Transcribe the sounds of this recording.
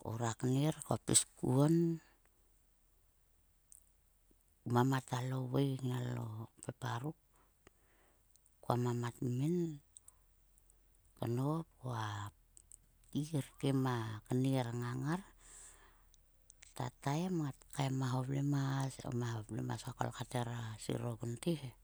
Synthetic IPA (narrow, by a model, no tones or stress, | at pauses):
o̰ɾakəneɾkoapiskṵon | mamatalo̞wejknalo̰pepaɾuk̚ | kuamamatmen | kanop̚oa | tiɾkemakaniɾaŋaŋaɾ | ta̰tajematkaemaɦoplemaso̰mahoplḛma̰sako̰lkateɾasḭɾoɡuntehe